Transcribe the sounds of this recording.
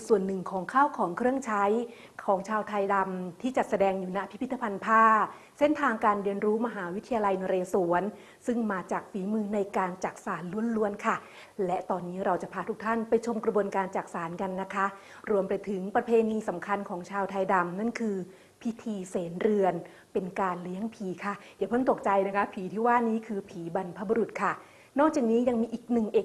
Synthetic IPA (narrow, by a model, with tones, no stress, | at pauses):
su˨˩ənːɯ˨˩ŋkʰɔː˩˦ŋkʰaː˥˩wkʰɔː˩˦ŋkʰɾɯ˥˩əŋt͡ɕʰa˦˥j | kʰɔː˩˦ŋt͡ɕʰaː˧wt̪ʰa˧jda˧mt̪ʰiː˥˩t͡ɕa˨˩t̪̚sa˧dɛː˧ŋjuː˨˩na˦˥pʰi˦pʰi˦t̪ʰːa˧pʰa˧npʰaː˥˩ | se˥˩nt̪ʰaː˧ŋkaː˧nɾi˧ənɾuː˦˥ma˧ɦaː˩˦wi˦˥t̪ʰːa˧jaː˧la˧jna˧ɾeː˧su˩˦ən | sɯ˥˩ŋmaː˧t͡ɕaː˨˩k̚fiː˩˦mɯː˧na˧jkaː˧nt͡ɕaː˨˩k̚saː˩˦nlu˧˩ənlu˧˥ənkʰa˥˩ | lɛ˦˥t̪ɔː˧nːiː˦˥ɾa˧wt͡ɕa˨˩pʰaː˧t̪ʰu˦˥k̚t̪ʰa˥˩npa˧jt͡ɕʰo˧mkɾa˧bu˧ənkaː˧nt͡ɕaː˨˩k̚saː˩˦nka˧nːa˦˥kʰa˦˥ | ɾu˧əmpa˧jt̪ʰɯ˩˦ŋpɾa˧pʰeː˧niː˧sa˩˦mkʰa˧nkʰɔː˩˦ŋt͡ɕʰaː˧wt̪ʰa˧jda˧mna˥˩nkʰɯː˧ | pʰi˦˥t̪ʰiː˧seː˩˦nɾɯ˧ən | pe˧nkaː˧nli˦˥əŋpʰiː˩˦kʰa˥˩ja˨˩pʰɤ˥˩nt̪o˨˩k̚t͡ɕa˧jna˦˥kʰa˦˥pʰiː˨˩˦t̪ʰiː˥˩waː˥˩niː˦˥kʰɯː˧pʰiː˩˦ba˧npʰa˦˥bu˧ɾu˨˩t̪̚kʰa˥˩ | nɔː˥˩k̚t͡ɕaː˨˩k̚niː˦˥ja˧ŋmiː˧ʔiː˨˩k̚nɯ˨˩ŋʔe˨˩